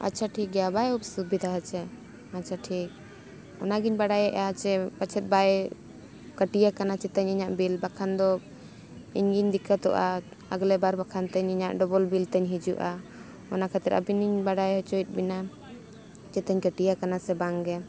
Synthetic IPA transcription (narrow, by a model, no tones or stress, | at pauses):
a̰tːt͡ʃʰaʈʰik̚ɡɛabajub̚subid̪ʱaɦat͡ʃʰɛ | att͡ʃʰaʈʰik̚ | ɔnaɡiɲbaɽajɛʔat͡ʃɛpat͡ʃʰɛt̪̚baj | kəʈijakanat͡ʃɛt̪əɲɛɲaʔbilbakʰand̪ɔ | ḭɲɡiɲd̪ikʰat̪ɔʔa | ə̰ɡlɛbaɾbakʰant̪ɛɲɛɲaʔɖɔbɔlbilt̪ɛɲɦid͡ʒṵʔa | ɔnakʰat̪ɛɾa̰biniɲbaɽajɦɔt͡ʃɔjt̪̚ˀbina | t͡ʃɛt̪əɲkəʈijakanasɛbaŋɡɛ